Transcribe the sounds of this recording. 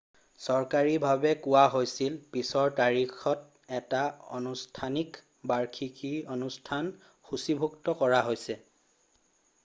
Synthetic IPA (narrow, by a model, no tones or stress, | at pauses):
sɔɹkaɹibʱabɛkʊwaɦojsilpisɔɹtaɹixɔt̚ | ɛtaɔ̰nustʰanik | baɹkʰikionustʰan | xusibʱuktɔkɔɹaɦojsɛ